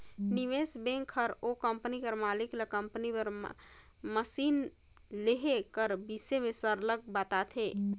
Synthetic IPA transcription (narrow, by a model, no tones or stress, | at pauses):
niʋesbẽŋkʰəɾokəmpnikəɾmaːlikləkəmpnipəɾ | məsiːn | leɦekəɾbisemẽsəɾləɡ̚bat̪at̪ʰeː